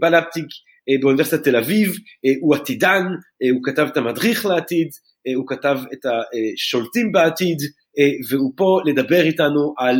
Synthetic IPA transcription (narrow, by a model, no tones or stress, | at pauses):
balap̚t̪ik | beunivesit̪at̪elavivuat̪idanukatavetamadʁiχleat̪id | ukatavetaʃolt̪imbeatid | veupoled̪abeʁitanuʔal